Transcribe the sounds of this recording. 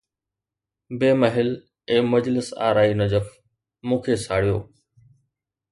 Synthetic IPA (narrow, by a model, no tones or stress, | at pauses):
beːməɦɪl | ẽːməd͡ʑlɪsa̰ːɾaːinəd͡ʑəf | mũːkʰeːsaːɽijoː